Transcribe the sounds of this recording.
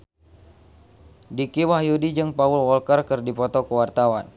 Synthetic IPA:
dikiwahjudid͡ʒɨŋpaulwɔlkərkɨrdipɔt̪ɔkəwart̪awan

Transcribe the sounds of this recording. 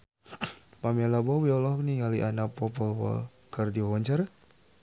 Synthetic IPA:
pamɛlabɔwiɔlɔk̚nijaliʔanapɔpɔlwɔ̰l | kərdiɔwɔɲt͡ʃaɾ

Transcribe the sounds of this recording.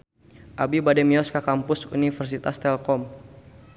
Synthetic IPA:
ʔabibadɛmiɔskakampʊsṵnifɛrs̬it̪ast̪ɛlkɔm

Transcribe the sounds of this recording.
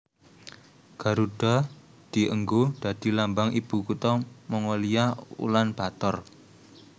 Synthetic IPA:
ɡ̥a̤ɾuɖ̥ɔ | d̪̥i̤ʔəŋɡoɖ̥a̤d̪̥i̤lambaŋib̥ṳkut̪ɔmɔŋolijaṵlanb̥a̤t̪ɔr

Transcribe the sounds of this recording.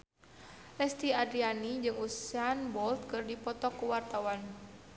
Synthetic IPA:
lɛst̪iadɾianid͡ʒɨŋusanbɔlt̪̚kɨrdipɔt̪ɔkːuwart̪awan

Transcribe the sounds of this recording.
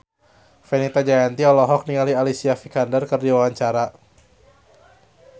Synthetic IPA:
fenit̪ad͡ʒajant̪iɔlɔɦɔk̚niŋalialisiafikandərkərdiwawaɲt͡ʃaɾa

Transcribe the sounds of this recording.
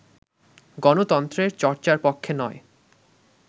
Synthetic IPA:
ɡɔnot̪ɔnt̪ɾeɾt͡ɕɔɾt͡ɕaɾpokʰːenɔe

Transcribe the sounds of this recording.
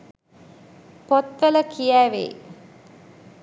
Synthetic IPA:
pot̪ʋələkʰijæːʋḛː

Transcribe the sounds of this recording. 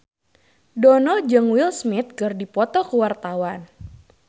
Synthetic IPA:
dɔnɔd͡ʒɨŋwilsmit̪̚kɨrdipɔt̪ɔkuwart̪awan

